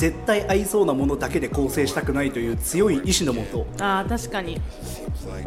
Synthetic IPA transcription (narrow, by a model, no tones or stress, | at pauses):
e̞t̪ːaiʔaiso̞ːnamo̞no̞d̪ake̞d̪e̞ko̞ːse̞ːɕi̥t̪akɯ̟nait̪o̞jɯ̟ːt͡sɨjo̞iʔiɕino̞mo̞t̪o̞aːt̪aɕi̥kaɲ̟i